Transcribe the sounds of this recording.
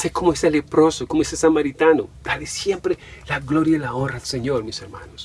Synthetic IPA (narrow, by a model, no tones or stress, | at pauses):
sekomoeselepɾosokomoesesamaɾit̪anod̪̥alesjempɾelaɡloɾjailaonraðelseɲoɾmiseɾma̰nos